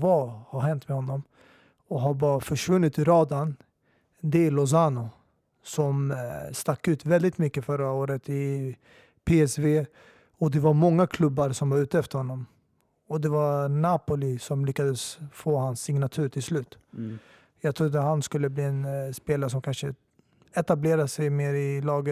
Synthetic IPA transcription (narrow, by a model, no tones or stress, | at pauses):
vahaɾhɛnt̪mɛhɔnːɔm | ɔɦaɾbɑɾafœʂvɵnːɪt̪ɪɾɑːd̪an | d̪ɛlɔs̬aːnʊ | sɔmst̪akːʉ̟ːt̪vɛld̪ɪt̪mʏkːəfœɾːaoːɾət̪ɪ | pʰeːɛsveː | ɔd̪ɛvaɾmɔŋːakʰlɵbːaɾsɔmvaɾʉ̟ːt̪əɛft̪əɾhɔnːɔm | ɔd̪ɛvanaːpʊlɪsɔmlʏkːad̪əsfoːhansːɪŋnat̪ʰʉ̟ːɾʈ̪ʰɪlslʉ̟ːt̪ | jɑːɡt̪ʰɾʊd̪ːəɦanskɵlːəbliːɛnspeːlaɾəʂ̬ɔmkʰanʂə | ɛt̪ableːɾasɛjmeːɾɪlɑːɡə